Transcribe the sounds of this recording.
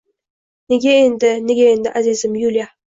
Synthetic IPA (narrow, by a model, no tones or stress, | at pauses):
ne̞ɡʲaend̪ɪne̞ɡʲae̞nd̪ɪʔazizɪmjulʲija